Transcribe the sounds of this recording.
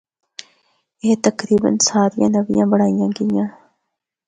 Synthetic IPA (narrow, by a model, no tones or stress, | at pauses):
eːt̪ɐkɾiːbə̰nsaːɾijã̰ːnɐʋijã̰ːbɐɽaːijãːɡijãː